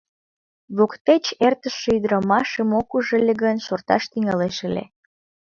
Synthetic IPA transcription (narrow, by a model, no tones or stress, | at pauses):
βokt̪et͡ɕert̪əʃːeyd̪ɾɑmɑʃəmokuʒelʲeɣənʃort̪ɑ̰ʃt̪yŋɑleʃəlʲḛ